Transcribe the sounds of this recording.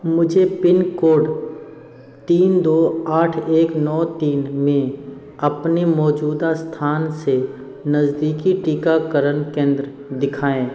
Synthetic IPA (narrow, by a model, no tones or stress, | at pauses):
mʊd͡ʒʱepɪnkoːɖ | t̪iːnd̪oːaːʈʰeːknɔːt̪iːnmẽ | ɐpnemɔːd͡ʒuːd̪ast̪ʰaːnse | nɐzd̪iːkiʈiːkakəɾənkẽːnd̪ɾə | d̪ɪkʰaːẽː